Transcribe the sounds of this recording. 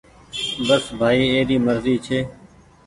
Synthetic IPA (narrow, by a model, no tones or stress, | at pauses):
bəsbʱaːiːeːɗiːməɾziːt͡ʃʰeː